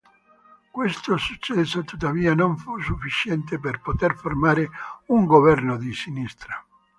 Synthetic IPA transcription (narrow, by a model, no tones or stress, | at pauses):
kwest̪osut͡ʃːɛsot̪ut̪ːaviːanoɱfusufːit͡ʃɛnt̪̬eperpot̪erformaːɾeuŋɡovɛrnod̪isinist̪ɾa